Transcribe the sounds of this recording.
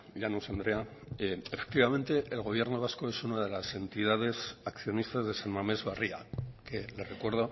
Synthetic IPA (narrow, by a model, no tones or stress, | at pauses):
ʎanosend̪ɾeaefe̥k̚t̪iβamẽ̞nt̪e̞ʔːlɣ̞o̞β̞je̞ɾno̞β̞asko̞e̞sunað̞e̞lase̞nt̪ið̞að̞e̞sakθjo̞nist̪azðesanmame̞zβaria̰ke̞le̞rekwe̞ɾð̞o